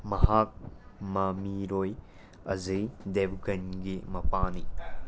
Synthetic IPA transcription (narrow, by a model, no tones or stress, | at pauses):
mɐhak̚mɐmiɾoj | ɐzɐjdebɡɐnɡimɐpani